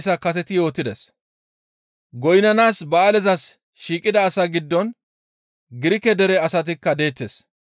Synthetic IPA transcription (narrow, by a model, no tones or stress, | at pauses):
s̬ɐkɐs̬ɛt̪ɪjo̞ːt̪ːɪd̪ɛs | ɡɔjnɐnaːsbɐːlɛzɐs | ʃiːkʼɪd̪ɐːsɐɡɪd̪ːɔn | ɡɪɾɪkɛd̪ɛɾɛɐsɐt̪̬ɪkːɐd̪e̞ːt̪ːes